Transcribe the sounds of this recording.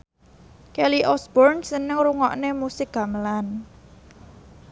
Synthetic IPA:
kɛliʔɔsb̥ɔrnsənɪŋruŋɔʔnemusɪk̚ɡ̥ä̤məlan

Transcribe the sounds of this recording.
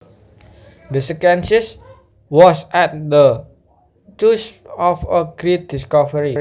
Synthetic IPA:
dəsɛkɛ̃nsis | wɔsʔɛt̚də | tusɔfəɡɹet̚diskɔvəɹi

